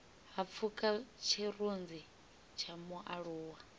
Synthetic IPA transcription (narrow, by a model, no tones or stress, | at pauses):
ɦap̪fʰukʼat͡ʃʰirund͡zi | t͡ʃʰamuʔaɺuːwa